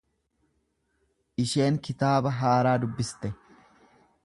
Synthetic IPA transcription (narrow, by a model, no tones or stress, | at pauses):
ʔɪʃe̞ːŋkɪt̪aːbɐɦaːɾaːd̪ʊbːɪst̪ɛ